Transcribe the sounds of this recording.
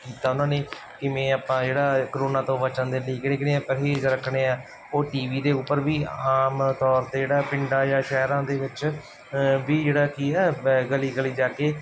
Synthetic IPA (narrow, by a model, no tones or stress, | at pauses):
kiːt̪aːʊnãːneː | kɪmɛ̃ːaːpãːd͡ʒeːɽaːkəɾoːnãːt̪õːʋət͡ʃə̃nd̪eːliːkɽeːknẽːaːpəɾɦeːd͡ʒɾəkʰɽeːaː | oːʈiːʋiːd̪eːʊpːəɾʋiːaːmt̪ɔːɾt̪eːd͡ʒeːɽaːpɪɳɖãːjãːʃɛːɾãːd̪eːʋɪt͡ʃ | ʋiːd͡ʒeːɽaːkiːɛːɡəliːɡəliːd͡ʒaːkeː